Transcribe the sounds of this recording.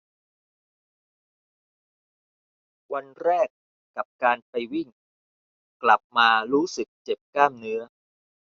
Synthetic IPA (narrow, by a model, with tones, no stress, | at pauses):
wa˧nɾɛː˥˩kː | a˨˩p̚kaː˧npa˧jwi˥˩ŋ | kla˨˩p̚maː˧ɾuː˦˥sɯ˨˩k̚t͡ɕe˨˩p̚kaː˥˩mnɯ˦˥ɐ